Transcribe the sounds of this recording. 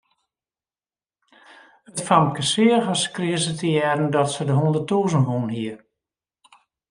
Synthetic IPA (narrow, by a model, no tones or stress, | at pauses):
ətfamkəsɪəɣəskrɪəsətəjɛrən̩dɔtsədəɦundətuːzənʋunhiər